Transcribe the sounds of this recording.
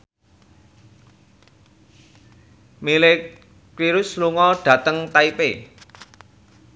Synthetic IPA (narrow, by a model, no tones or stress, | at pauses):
mile | kwiɾʊsluŋɔɖ̥ä̤t̪əŋt̪aipe